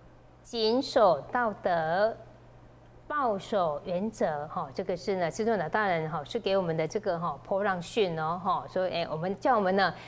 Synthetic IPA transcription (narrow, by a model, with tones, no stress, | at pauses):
t͡ɕi˧˥nʂo˨˩ʊt̪ɑ˥˩ʊt̪ə˧˦ | pɑ˥˩ʊʂo˨˩ʊɥɛ˧˥nt͡sɤ˧˥xɔ˥˩ʈ͡ʂɤ˥˩ɡə˨ʂɻ̩˥˩nə˩ʂʰi˥t͡sŋlt̪a˥˩ɻə˧˥nɦɔ˧˩ʂɻ̩˥˩ke˧ɪwɔ˨˩mə˦nd̪ə˧ʈ͡ʂɤ˥˩ɡə˩xɔ˥˩pʰɔ˥ɻɑ˥˧ŋɕy˥˧nɔ˧ɦɔ˥˩ʂwɔ˥ʔe˥˩ɪwʔɔ˨˩mə˧˦nt͡ɕjɑ˥˩wɔ˨˩mə˦nə˧